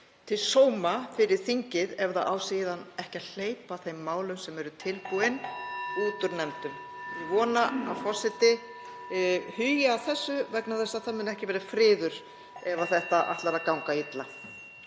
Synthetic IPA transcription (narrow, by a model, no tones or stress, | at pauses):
t̪ʰɪlsoːwmafɪɾɪɾ̥θiɲcɪðɛvðaðawsiːðanɛhcaðl̥eːjpaθejmːaːwlʏmsɛmɛɾʏt̪ʰɪlpuɪnuːt̪ʏɾnɛmt̪ʏm | vɔːnaafɔ̥sɪt̪ɪ | hʏjɪawθɛsːʏvɛknaθɛsːaθamɪnɛhcɪvɛːɾafɾɪːðʏɾ̥ | ɛvaθɛht̪aʔa̰ht̪laɾakawŋkait̪la